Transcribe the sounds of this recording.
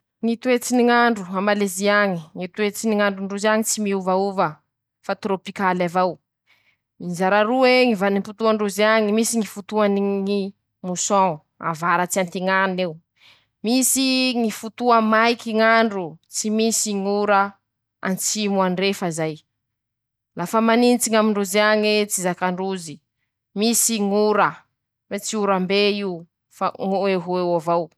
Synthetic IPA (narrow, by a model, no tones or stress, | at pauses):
ŋit̪uet͡siniŋaɳɖ͡ʐuamaleziaŋiŋit̪uet͡siniŋaɳɖ͡ʐuɳɖ͡ʐuzaŋit͡simiuvauvə | fat̪ɾopikalavaw | izaɾaɾueŋivanimput̪uaɳɖ͡ʐuzaŋimisiŋifut̪uaniŋi | musɔ̃ | a̰vaɾət͡siant̪iŋanew | misiŋifut̪uamajkiŋaɳɖ͡ʐut͡simisiŋuɾə | a̰nt͡simuanrefazaj | lafəmaninit͡siŋamiɳɖ͡ʐuziaŋet͡sizakaɳɖ͡ʐuzi | misiŋuɾə | wet͡siuɾambeiu | fa̰ŋeɦewavaw